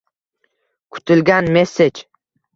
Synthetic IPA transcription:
kʰʊ̥t̪ʰɪlɡʲanme̞set͡ʃ

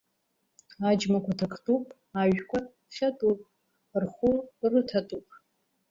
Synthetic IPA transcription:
ad͡ʒmakʷʰatʰakʼʰtʼupʼ | aʒkʷa | χʲatʼupʼ | rχurɨtʰatʼupʼ

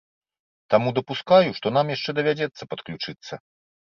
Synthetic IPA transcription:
t̪amud̪ɐpuskajuʂt̪ɔnamjaʂt͡ʂɛd̪ɐvʲad͡zʲɛt̪sːɐpɐt̪klʲut͡ʂɨt̪sːɐ

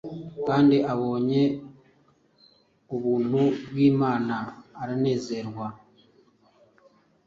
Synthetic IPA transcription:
kaːndiʔaβo̞ːɲe̞ | uβuːn̥huβwiːmaːnaːɾane̞ːze̞ɾwa

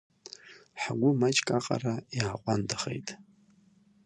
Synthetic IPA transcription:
ħaɡʷʊmat͡ʃʼkʼaqʼa̰rajaːqʷʼandʰaχḛjtʼ

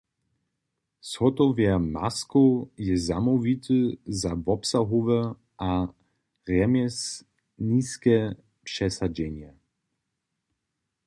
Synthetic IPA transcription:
sxɔt̪ɔvjɛmaskojɛzamɔvʲit̪ʰɨzavɔpsaɦɔvɛ | ʔa | ɣɛmʲjɛs | niːskɛ | pʂɛsad͡ʑɛɲɛ

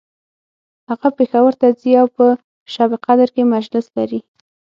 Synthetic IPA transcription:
haɣapexawəɾt̪aziawpə | ʃɑbɪqad̪əɾkemad͡ʒlɪslaɾi

